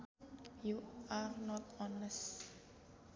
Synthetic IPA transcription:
juaɹnɔtɔnəs

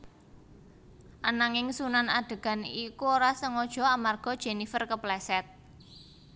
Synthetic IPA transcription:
ʔanaŋɪŋsunanaɖ̪̥ə̤ɡ̥a̤nikuoɾasəŋɔd̥ʒ̥ɔ̤amarɡ̥ɔ̤d̥ʒ̥e̤nifərkəplɛsɛt̪̚

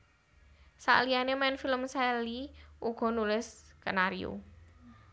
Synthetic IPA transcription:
sa̰ʔlianemɛnfiləmsɛliuɡ̥ɔ̤nulɪskənaɾio̰

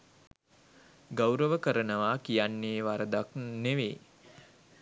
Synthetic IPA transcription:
ɡawɾəʋəkəɾənəʋaːkijanːeːʋaɾəd̪akneʋeː

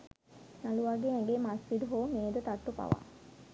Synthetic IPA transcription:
naluʋaɡeɛ̃ŋɡemasʋid̪uɦoːmeːd̪ət̪aʈːupa̰ʋa̰

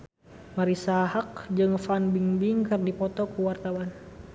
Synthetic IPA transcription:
maɾisaɦak̚d͡ʒɨŋfanbiŋbiŋkɨrdipɔt̪ɔkuwart̪awan

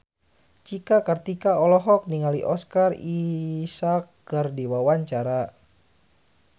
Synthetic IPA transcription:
t͡ʃikakərt̪ikaɔlɔɦɔk̚niŋaliʔɔskarisakːərdiwawaɲt͡ʃaɾa

